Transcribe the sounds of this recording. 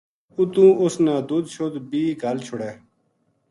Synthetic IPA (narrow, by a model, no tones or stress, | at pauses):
ut̪ũːʔʊsnãːd̪uːd̪̚t͡ʃʰoːd̪biːɡʱalt͡ʃʰʊɽeː